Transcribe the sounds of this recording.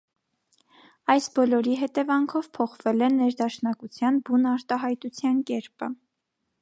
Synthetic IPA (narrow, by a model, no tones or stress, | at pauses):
ɑjsbɔlɔɾiɦɛt̪ɛvɑŋkʰɔvpʰɔχvɛlɛnɛɾd̪ɑʃnɑkut͡sʰjɑnbunɑɾt̪ɑɦɑjt̪ut͡sʰjɑnkɛɾpə